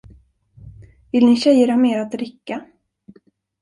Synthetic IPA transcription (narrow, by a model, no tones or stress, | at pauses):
vɪlnɪɕɛjəɾhaːmeːɾat̪̚ɾɪkːa